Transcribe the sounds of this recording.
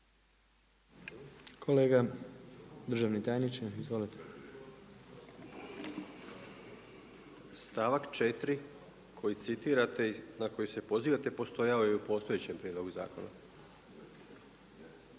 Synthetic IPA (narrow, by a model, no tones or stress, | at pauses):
kʰo̞le̞ːɡa | d̪r̩ʒaːʋnit̪ajnit͡ʃizʋo̞lit̪ʰe | st̪aːʋakt͡ʃet̪ɾi | kʰo̞jit̪sit̪iːɾat̪e̞nako̞juse̞po̞ziːʋat̪epo̞st̪o̞jaojeupo̞ːst̪o̞jet͡ɕempɾjed̪lˠo̞ɡuza̰ːko̞̰na̰